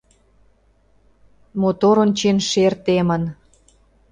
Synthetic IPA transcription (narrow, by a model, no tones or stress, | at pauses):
mot̪oɾont͡ɕenʃert̪emən